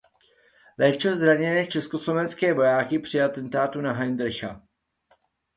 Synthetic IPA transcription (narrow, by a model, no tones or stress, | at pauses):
lɛːt͡ʃozɾaɲɛnɛːt͡ʃɛsko̞slo̞vɛnskɛːvo̞jaːkɪpr̥ɪat̪ɛnt̪aːt̪unaɦajnd̪ɾ̩xa̰